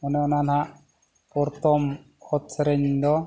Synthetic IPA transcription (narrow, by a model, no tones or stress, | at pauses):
ɔnɛɔnanɦaʔ | pɔɾt̪ɔm | ɔt̪ʰɾɛɲd̪ɔ